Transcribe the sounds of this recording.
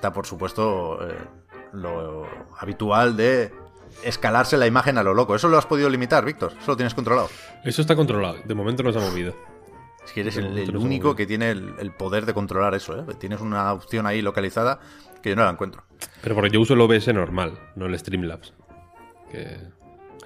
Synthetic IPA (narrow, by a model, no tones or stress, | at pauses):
est̪apo̞ɾsupwe̞st̪oḛ | lo̞aβ̞it̪uald̪e̞ː | skalaɾse̞laimaxe̞nalo̞lo̞koe̞soloaspoðiðo̞limit̪aɾβik̚t̪o̞ɾesolot̪jenskont̪ɾo̞lao | esost̪ako̞nt̪ɾolaod̪emomẽnt̪onosamoβiðo | eskeeɾeseleuniko̞ke̞t̪jeneḛlpo̞ð̞e̞ɾðe̞ko̞nt̪ɾo̞laɾe̞so̞et̪je̞ne̞sunaopθjo̞nailo̞kaliθaða | keʝonolaeŋkwe̞nt̪ɾo̞pe̞ɾopo̞ɾkeʝousoloβesenoɾmalnoele̞st̪ɾimlaps | kḛ